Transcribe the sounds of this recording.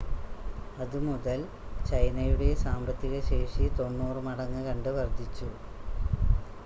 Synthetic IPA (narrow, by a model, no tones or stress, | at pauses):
ɐðɨmuðɐl | t͡ɕɐjnɐjuɽe̞saːmbɐt̪ːiɣɐɕe̞ːʂit̪o̞nːuːrɨmɐɽɐŋːɨkɐɳɖɨʋɐrd̪ʱit͡ɕːu